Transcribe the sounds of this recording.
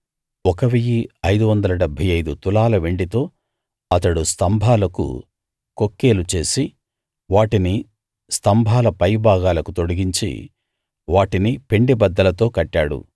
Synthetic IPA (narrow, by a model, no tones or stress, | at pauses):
ɔkɐʋijiɐjd̪uʋɐnd̪ɐlɐɖɛbʱɐjɐjd̪ut̪ulaːlɐʋe̞ɳɖit̪o̞ː | ɐt̪ɐɽust̪ɐmbʱaːlɐkṵ | kokːe̞ːlut͡ʃe̞ːsi | ʋaːʈini | st̪ɐmbʱaːlɐpɐjbʱaːɡaːlɐkut̪o̞ɽɐɡiɲt͡ʃḭ | ʋaːʈinipe̞ɳɖibɐd̪ːɐlɐt̪o̞ːkɐʈːaːɽṵ